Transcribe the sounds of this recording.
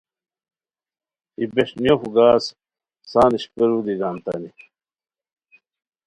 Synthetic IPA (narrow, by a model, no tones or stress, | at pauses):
ibeʂnijoxuɡaːs | saːniɕpeɾud̪iɡaːnt̪ɐ̰ni